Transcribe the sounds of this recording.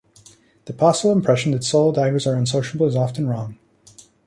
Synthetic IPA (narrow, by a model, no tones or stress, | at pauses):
ðəpʰɑsəvl̩ˠə̃mpʰɹ̥ɛʃn̩ðɨtsoʊlˠdaɪɡə˞zə˞ɨ̃nsoʊʃəbl̩ˠəzɑfɨ̃n̩ɹɔ̃ŋ